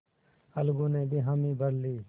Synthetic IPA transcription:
əlɡũːneːbʱiːɦaːmĩːbʱəɾliː

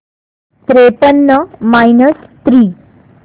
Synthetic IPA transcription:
t̪ɾepənːəmainəst̪ɾiː

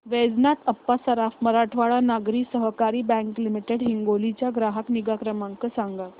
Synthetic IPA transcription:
ʋed͡znat̪əpːasəɾafməɾaʈʰʋaɭanaɡɾiːsəɦkaɾiːbɛ̃ŋklimiʈeɽɦiŋɡolit͡ɕjaɡɾaɦəkniɡakɾəmaŋkəsaŋɡa

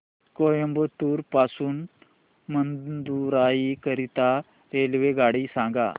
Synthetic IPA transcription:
kojəmbət̪uːɾpasuːn | mənd̪uɾaikəɾit̪a | ɾelʋeɡaɽisãŋɡa̰

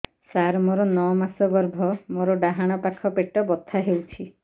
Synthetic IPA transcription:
saɾmoɾɔnɔmasɔɡɔɾbʱɔmoɾɔɖaɦaɽ̃ɔpakʰɔpeʈɔbɔt̪ʰːaɦewt͡ʃʰi

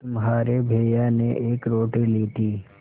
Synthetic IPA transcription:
t̪ʊmɦaːɾebʱeːjaneʔeːkɾoːʈiliːt̪ʰiː

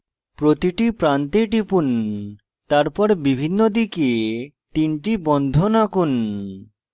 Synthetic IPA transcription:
pɾot̪iʈipɾant̪eʈipun | t̪aɾpɔɾbibʱinːod̪ike | t̪inʈibɔnd̪ʱonakun

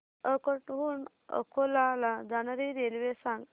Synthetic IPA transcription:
əkəʈɦun | ə̰kʰolalad͡zanaɾiɾelʋesãŋɡ

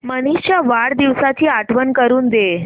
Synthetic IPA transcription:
məñiɕt͡ɕjaʋaɽd̪iʋsat̪ʰiːaʈʰʋənkəɾuːnd̪e

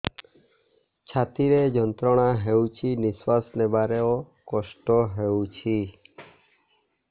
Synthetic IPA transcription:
t͡ʃʰat̪iɾed͡ʒɔnt̪ɾɔɽ̃aɦewt͡ʃʰiniswasnebaɾeɔ | kɔsʈɔɦewt͡ʃʰi

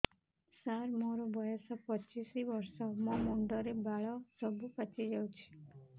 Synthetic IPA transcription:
saɾmoɾɔbʱɔjɔsɔpɔt͡ʃisibɔɾsɔmɔmuɳɖɔɾebaɭɔsɔbupat͡ʃid͡ʒawt͡ʃʰi̥

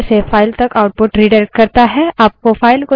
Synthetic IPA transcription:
sefʰaːɪlt̪ɐkaʊʈ̚pʊʈɾiːɖəɾkɐɾt̪aɦɛaːp̚kofʰaːɪlko

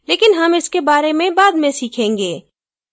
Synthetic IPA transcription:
leːkɪnɦɐmɪskebaːɾemẽbaːd̪mẽsiːkʰẽːŋɡeː

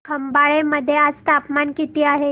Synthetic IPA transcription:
kəmbaɭeməd̪ʱːjead͡zt̪apmankit̪iːaɦe

